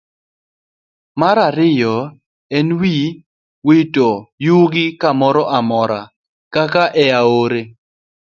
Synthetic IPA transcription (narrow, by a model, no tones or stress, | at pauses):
maɾaɾɪjɔ | ɛnwi | witojuɡɪkamɔɾɔʔamɔɾa | kakaʔɛaoɾe